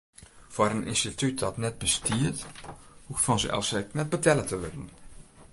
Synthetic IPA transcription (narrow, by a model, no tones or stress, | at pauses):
foːɾənɪ̰nstityt̚dɑtnɛt̚bəstiəɹthuftfɔnzə̰ʔɑ̰lsɛjknɛt̚bətɛlətəʋɪdn